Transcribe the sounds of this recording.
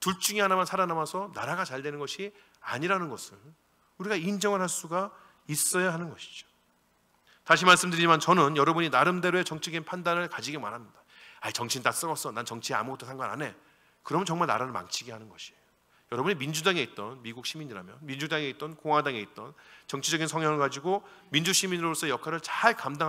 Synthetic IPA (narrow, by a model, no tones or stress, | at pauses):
tuɭt͡ɕ͈uŋiɦanamjansʰaɾanamasʰʌnaɾaɡat͡ɕaɭde̞nɯnɡʌɕʰi | aɲiɾanɯnɡʌsʰɯn | uɾiɡaind͡ʑʌŋɯɭhaɭs͈uɡa | is͈ʌjaɦanɯnɡʌɕʰi̥d͡ʑo̥ | taɕ̬ʰimaɭs͈ɯmdɯɾid͡ʑimant͡ɕʌnɯnjʌɾʌbuɲinaɾɯmde̞ɾoet͡ɕʌŋt͡ɕʰiɡinpʰandanɯɭkad͡ʑiɡemaɾɦamɲida | ait͡ɕʌŋt͡ɕʰint͈as͈ʌʌs͈ʌnant͡ɕʌŋt͡ɕʰia̰muɡʌt͈ʰːosʰaŋɡana̰ne̞ | kɯɾʌmʌnt͡ɕʌŋmaɭna̰ɾanɯma̰ŋt͡ɕʰiɡeɦanɯnɡʌɕʰiejo | jʌɾʌbuɲimind͡ʑudaŋe̞it̚t͈ʌnmiɡuk̚ɕʰimiɲiɾa̰mjʌ̰nmind͡ʑudaŋe̞it̚t͈ʌnkoŋɦwadaŋe̞it̚t͈ʌnt͡ɕʌŋt͡ɕʰid͡ʑʌɡinsʰʌŋjʌŋɯɭɡad͡ʑiɡomind͡ʑuɕʰiminɾoɾos͈ʰʌjʌkʰaɾɯɭt͡ɕaɭkamda